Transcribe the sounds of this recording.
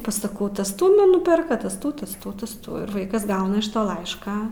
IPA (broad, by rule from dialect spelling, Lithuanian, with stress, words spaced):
pɐsɐˈkɐʊ ˈtɐs ˈtuː ˈnʊ ˈnʊpʲɛrkɐ ˈtɐs ˈtuː ˈtɐs ˈtuː ˈtɐs ˈtuː ɪr ˈʋɐɪkɐs ˈɡɐʊnɐ ɪʃ ˈtoː ˈlˠɐɪʃkɑː